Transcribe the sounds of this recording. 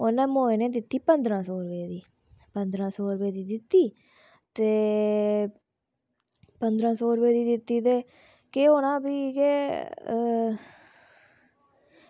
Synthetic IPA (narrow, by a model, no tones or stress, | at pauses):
onɛ̃ːmoːeːneːd̪ɪt̪ːiːpənd̪ɾãːsoːɾbeːd̪iː | pənd̪ɾãːsoːɾbeːd̪iːd̪ɪt̪ːiː | t̪eː | pənd̪ɾãːsoːɾbeːd̪iːd̪ɪt̪ːiːt̪eː | keːɦoːɽ̃ãːbiːkeː